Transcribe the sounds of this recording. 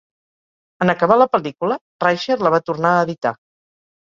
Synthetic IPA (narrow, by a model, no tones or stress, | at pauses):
ənəkəβ̞aləpəlikulə | rajʃəɾləβ̞at̪urnaəːðit̪a̰